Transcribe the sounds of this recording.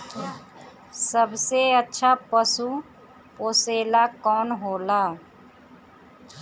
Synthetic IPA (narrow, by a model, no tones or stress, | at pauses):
səbseətːʃʰapəsu | poːseːlakɔːnɦoːlaː